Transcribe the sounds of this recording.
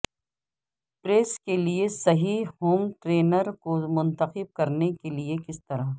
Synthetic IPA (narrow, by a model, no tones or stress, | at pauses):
pɾeːskeliesɐɦiɦoːmʈɾeːnəɾkomʊ̃nt̪əqɪb̚kɐɾnekeliekɪst̪ɐɾa